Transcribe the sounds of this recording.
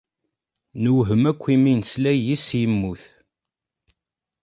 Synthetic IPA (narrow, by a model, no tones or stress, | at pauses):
nəwɦəmækʷːiminslæjisjəmːuθ